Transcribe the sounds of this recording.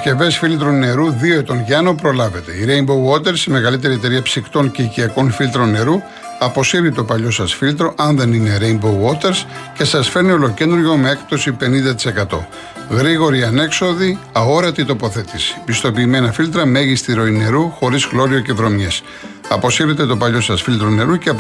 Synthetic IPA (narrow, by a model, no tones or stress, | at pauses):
sce̞ve̞sfilt̪ɾonːe̞ɾuðioet̪o̞nʝɐno̞pɾo̞lɐve̞t̪e̞iɾe̞imbowot̪e̞ɾsime̞ɣɐlit̪e̞ɾie̞t̪e̞ɾiɐpsikt̪o̞nceiciɐko̞nfilt̪ɾo̞nːe̞ɾu | ɐpo̞siɾit̪o̞pɐʎo̞sɐsfilt̪ɾo̞ʔɐnðe̞nine̞ɾeimbowot̪e̞ɾsce̞sɐsfe̞ɾnio̞lo̞ce̞nd̪ɾoʝo̞mee̞kt̪o̞sipe̞nind̪ɐt̪i̥se̞kɐt̪o̞̰ | ɣɾiɣo̞ɾiɐne̞kso̞ðiɐo̞ɾɐt̪it̪o̞po̞θe̞t̪isi̥pist̪o̞piːme̞nɐfilt̪ɾɐme̞ʝist̪iɾo̞ine̞ɾuxo̞ɾizɣlo̞ɾio̞ce̞vɾo̞mjes | ɐpo̞siɾet̪e̞t̪o̞pɐʎo̞sɐsfilt̪ɾone̞ɾuceɐp